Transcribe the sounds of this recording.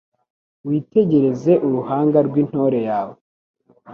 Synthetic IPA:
wiːte̞ɟe̞ɾe̞ze̞ʔuɾuhaːŋɡaɾɡwin̥ho̞ɾe̞jaːwe

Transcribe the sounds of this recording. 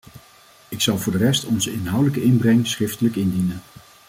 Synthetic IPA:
ɪksɑlˠvʊːɹdərɛstɔnzəɪnɦʌwdələkəɪnbrɛŋsχɪftələkɪndinən

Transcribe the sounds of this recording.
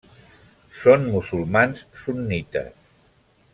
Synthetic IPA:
sonmusulˠmansːunːit̪ə̰s

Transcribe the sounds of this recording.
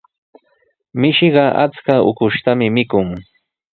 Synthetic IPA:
mɪʃɪɢɑʔa̰t͡skaʊ̰kʊʃt̪amɪmɪkʊŋ

